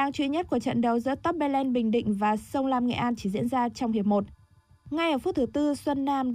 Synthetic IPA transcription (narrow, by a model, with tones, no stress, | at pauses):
aː˧ŋt͡ɕwi˧ɲə˦˥t̚ku˧˩ət͡ɕə̰˧˨nɗə˨˩wzɨ̰˧˥ət̪ə˦˥p̚ɓɛ˧lɛ˧nɓï˨˩ŋ̟ɗḭ̈˧˨ŋ̟vaː˨˩sə˧wŋ͡mlaː˧mŋɛ̰˧˨ʔaː˧nt͡ɕi̥˧˩zḭ˧˥ənzaː˧t͡ɕɔ˧wŋ͡mhi˨˩əp̚mo˨˩t̚ | ŋa˧jʔəː˧˩fu˦˥t̚t̪ʰɨ˨˩˦t̪ɨ˧swə˧nːaː˧mɗ